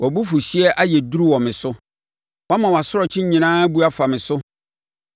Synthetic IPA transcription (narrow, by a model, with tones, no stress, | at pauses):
wʔɔ˨bu˦fu˨ɕi˦ɛ˦ʔa˦jɛ˨du˦ɾu˦wɔ̃˨mɪ̃˨sʊ˦ | wa˦mã˨wa˨sʊ˦ɾɔ˨t͡ɕʰɪ̃˦ɲĩ˨nãː˦bu˦a˦fa˨mɪ̃˨sʊ˦